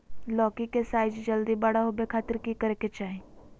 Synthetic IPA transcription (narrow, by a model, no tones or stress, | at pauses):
lɔːkikesaːɪd͡ʒd͡ʒəld̪ibɐɽaɦobekʰaːt̪əɾkikəɾeket͡ʃaːɦĩ